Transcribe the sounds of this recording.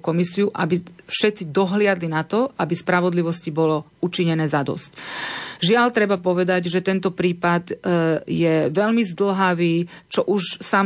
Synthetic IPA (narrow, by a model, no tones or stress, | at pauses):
kɔmisiuʔabifʃɛt̪t͡sid̪ɔɦlɪad̪linat̪ɔabispɾaʋɔd̪liʋɔscibɔlɔ | ut͡ʃiɲɛnɛːzad̪ɔ̰scʒɪalt̪ɾɛbapɔʋɛd̪aɟʒɛt̪ɛnt̪ɔpɾiːpad̪jɛʋɛʎmizd̪l̩ɦaʋiːt͡ʃɔʔuʃsam